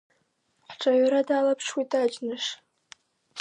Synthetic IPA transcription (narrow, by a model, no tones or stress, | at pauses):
ħʈ͡ʂʰʼaɥaɾadaːlapʰʂwitʰʼaːd͡ʒnɨʂ